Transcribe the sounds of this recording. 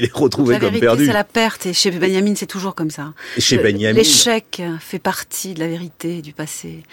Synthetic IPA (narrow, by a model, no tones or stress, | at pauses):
ilɛʁət̪χuveavkɔmipɛʁdd̪yalapɛʁt̪eʃebɛnjaminsɛt̪uʒuʁkɔmsaeʃebɛnjamleʃɛkfɛpaʁt̪ʰid̪əlaveʁit̪ed̪ypase